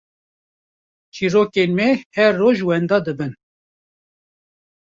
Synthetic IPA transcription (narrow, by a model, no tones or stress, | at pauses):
t͡ʃiːɾoːkenmɛhɛɾːoːʒwɛnd̪ɑːd̪ɨbɨn